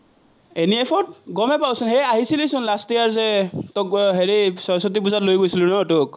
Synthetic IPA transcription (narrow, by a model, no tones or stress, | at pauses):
eniepʰɔt̚ɡɔmɛpawsunhejaɦisilisʊnlastijaɹzɛtɔkɦeɹisɔsɔtipuzatlojɡojsilunɔtʊk̚